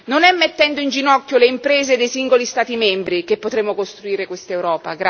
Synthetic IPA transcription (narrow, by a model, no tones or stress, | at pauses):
nonɛmːet̪ːɛnd̪oind͡ʒinɔkːjoleimpɾeːzed̪ejsiŋɡolist̪aːt̪imɛmbɾikepːot̪ɾemːokost̪ɾuiːɾekwest̪aewɾɔːpa̰ɡɾa